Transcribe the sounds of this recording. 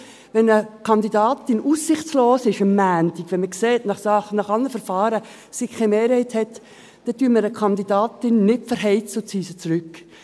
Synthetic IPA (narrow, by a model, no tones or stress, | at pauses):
ʋɛnəkʰɑndidɑːtɪnusːɪχt͡sloːsɪʃəmːæːntɪkʋɛnməkseːtnɑχsɑχnɑχɑlnəfəɾfɑːɾə | sɪkkʰːɛɪmeːɾhɛɪthɛt | d̥ɛtyːməɾəkʰɑndidɑːtɪnːɪtfəɾɦɛɪt͡səʊt͡siːsət͡sɾʉk